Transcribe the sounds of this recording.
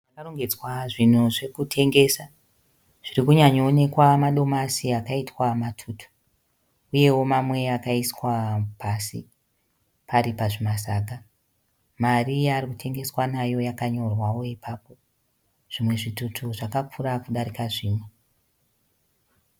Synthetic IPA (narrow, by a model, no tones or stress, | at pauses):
akaroŋɡed͡zwaʐin̤uʐe̞kutʰe̞ŋɡe̞sa | ʐ̥irikuɲaɲoːne̞kwamaɗo̞masiakaitwamatʰuːtʰu̥ | uje̞wo̞mamwe̞akaiswapʰasḭ | paɾipaʐimasaːɡʱa | marijaːrikutʰe̞ŋɡe̞swanajo̞jakaɲo̞rwawo̞ipapo̞ | ʐ̥imwe̞ʐitutʰuʐakakurakuɗaɾikaʐiːmwe